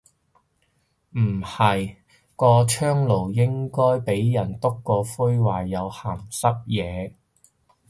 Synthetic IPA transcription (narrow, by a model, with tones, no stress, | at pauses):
m̩˨˩hɐ˨j | kɔː˧t͡ʃʰœː˥ŋlo˨˩wjɪ˥ŋkɔː˥jpe˨˥jjɐ˨˩nt̪ʊ˥kːɔː˧fu˥jwaː˨jːɐ˨˧whaː˨˩msɐ˥p̚jɛː˨˧